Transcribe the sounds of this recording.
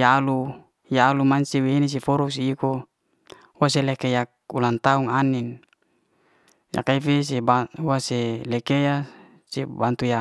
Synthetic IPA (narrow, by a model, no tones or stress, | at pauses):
jalu | jaːlumansiweɦinis̬ifoɾuks̬iːko | was̬elekejak̚ulant̪auŋanin | ja̰kaifes̬ebauaselekeja | sebant̪uja